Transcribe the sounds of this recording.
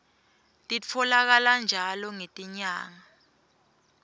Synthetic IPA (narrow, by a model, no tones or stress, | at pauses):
tʼit͡fʰɔlak̬aland͡ʒʱalɔŋetʼiɲaːŋa